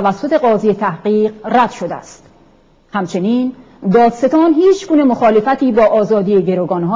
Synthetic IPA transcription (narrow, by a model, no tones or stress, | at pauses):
væsːo̞t̪ʰe̞ɢɒːzijet̪ʰæhɢiːqræd̪̥ʃod̪eæ̰st̪ | hæmt͡ʃʰe̞niːn | d̪ɒːd̪se̞t̪ʰɒːnhiːt͡ʃɡuːne̞moxɒːle̞fæt̪ʰiːbɒːʔɒːzɒːd̪ijeɟe̞ɾoːɡɒːnɦɒː